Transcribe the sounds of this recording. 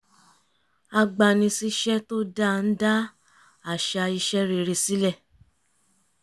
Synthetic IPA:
a˧ɡ͡ba˧nĩ˧si˦ʃɛ˦to˦da˦˨n̩˦da˦ | a˦˨ʃa˧i˧ʃɛ˦ɾe˧˨ɾe˧si˦lɛ˦˨

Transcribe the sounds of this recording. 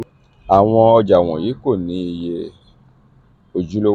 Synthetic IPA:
a˨w̃ɔ̃˧ɔ˧d͡ʒa˨w̃ɔ̃˨ji˨˦ko˦˨nĩ˨˦i˧je˧ | o˨d͡ʒu˨˦lo˦

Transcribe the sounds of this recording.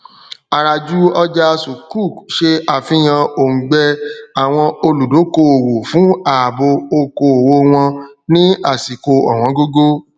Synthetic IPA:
a˧ɾa˧d͡ʒu˦ɔ˦d͡ʒa˧su˨ku˦˨kʃe˧a˨fĩ˨˦j̃ã˧o˨ŋ̩˨ɡ͡bɛ˧a˨w̃ɔ̃˧o˧lu˨do˨˦ko˧o˨wo˨fũ˨˦a˨bo˧o˧ko˧o˨wo˧w̃ɔ̃˧nĩ˦a˦˨si˨ko˧ɔ̰˨w̃ɔ̃˨˦ɡo˦ɡo˦

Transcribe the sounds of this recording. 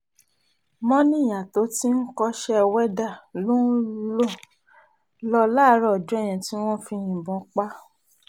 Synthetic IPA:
mɔ̃˦nĩ˦˨ja˨to˨˦ti˦n̩˦kɔ˧ʃɛ˦˧wɛ˦da˦˨lo˦n̩˦lo˦˨ | lɔ˧la˦ɾɔ˦ɔ˨d͡ʒu˨˦ɛ˦˨j̃ã˧ti˦w̃ɔ̃˦˨fi˧j̃ĩ˨bɔ̃˨˦k͡pa˦

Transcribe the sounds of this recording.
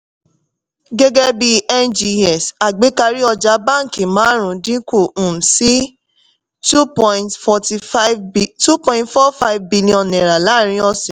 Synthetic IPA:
ɡe˦ɡɛ˦bi˧ɛ˦nd͡ʒi˧ɛ˨sa˨ɡ͡be˨˦ka˧ɾi˦ɔ˧d͡ʒa˨˦bã˦˨kĩ˨mãː˦ɾ̃ũ˨˦dĩ˦ko˦˨ũ˨si˦ | tu˦pɔ̃˧ĩ˧tfɔ˧ti˧˦˧tu˦pɔ̃˧ĩ˦tfɔ˦fa˦i˨vbi˧lĩ˧ɔ̃˧nnɛ̃˨ɾa˨la˨˦˨ɾ̃ĩ˧˦ɔ˧sɛ̃˨

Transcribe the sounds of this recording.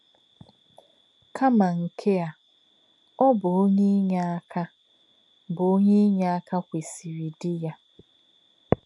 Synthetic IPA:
kʰa˦ma˨ŋ̩˨kʰe˦a˨ | ɔ˦bʊ˨o˦ɲe˦ɲa˦a˦kʰa˦ | bʊ˨o˦ɲe˦ɲa˦a˦ka˦kʷe˨si˨wi˨dɪ˦ja˦

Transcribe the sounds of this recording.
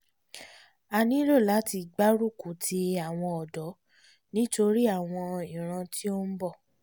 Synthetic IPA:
a˧nĩ˦lo˦˨la˨˦ti˧ɡ͡ba˦ɾu˦˨ku˨tʰi˧a˨w̃ɔ̃˧ɔ˨dɔ˨˦ | nĩ˦to˧ɾi˦a˦˨w̃ɔ̃˧ĩ˨ɾ̃ã˧tʰi˦o˦n̩˦bɔ˦˨

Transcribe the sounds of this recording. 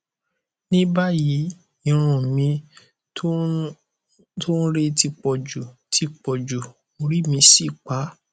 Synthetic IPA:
nĩ˦ba˦ji˨˦ | i˧ɾ̃ũ˨mĩ˧˦ | to˦n˦ɾe˦ti˧k͡pɔ˨d͡ʒu˨tʰi˧k͡pɔ˨d͡ʒu˨ | o˧ɾi˦mĩ˧si˦˨k͡pa˨˦

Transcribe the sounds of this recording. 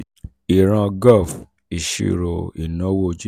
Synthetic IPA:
i˨ɾã˧ɡɔ˦˨f | i˨ʃḭ˨ɾo̰˨i˨nõ˨˦wo˦d͡ʒi˦

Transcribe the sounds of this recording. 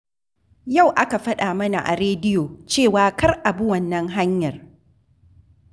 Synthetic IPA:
ja˦˨wʔa˦ka˨ɸɐ˦ɗaː˨mɐ˦na̰˨ʔa̰˨ɾeː˦dɪ˦joː˨t͡ʃeː˦˨waː˨˦kɐ˦rʔa˨bu˦wɐ˨nːɐ˦ŋɦa˦ɲjɐ˨r

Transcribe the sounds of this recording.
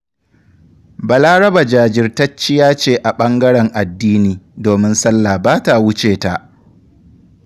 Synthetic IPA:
ba˨laː˦ɽɐ˦ba˨d͡ʒaː˨d͡ʒɪ˦rtɐ˦t͡ʃːɪ˦jaː˦t͡ʃeː˦˨ʔa˨ɓɐ˦ŋɡɐ˦ɽɛ˨ŋʔa˨dːiː˦niː˨doː˨mɪ˦nsɐ˦lːa˨baː˦ta˨wʊ˦t͡ʃeː˨ta˨ʔ

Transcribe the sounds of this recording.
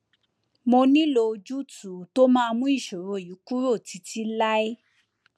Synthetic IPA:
mo˧nĩ˦lo˧d͡ʒu˦tu˨to˦mã˦a˧mũ˦i˦˨ʃo˨ɾo˨˦˨ju˨˦ku˦ɾo˦˨ti˨˧˦ti˦la˦e˦

